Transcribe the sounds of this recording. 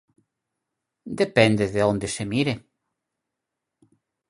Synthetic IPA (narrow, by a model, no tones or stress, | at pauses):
d̪epend̪eðeond̪esemiɾe